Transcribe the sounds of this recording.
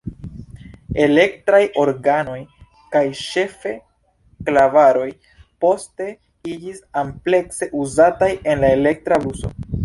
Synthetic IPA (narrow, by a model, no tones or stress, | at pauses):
e̞le̞k̚tɾajo̞ɾɡano̞j | kajʃe̞fe̞ | klavaɾo̞j | po̞ste̞ | id͡ʒisample̞kse̞ʔuzataje̞nlae̞le̞k̚tɾabuso̞̰